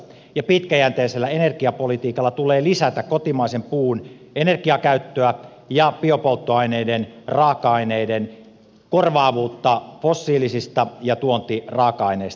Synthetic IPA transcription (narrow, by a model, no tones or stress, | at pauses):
jɑpit̪kæjænt̪eːselːæenerkiɑpolit̪iːkɑlːɑt̪uleːlisæt̪ækkot̪imɑisempuːn | enerkiɑkæyt̪ːøæ | jɑpiopolt̪ːoɑineidenrɑːkɑɑineiden | korʋɑːʋuːt̪ːɑfosːiːlisist̪ɑjɑt̪uont̪irɑːkɑɑineist̪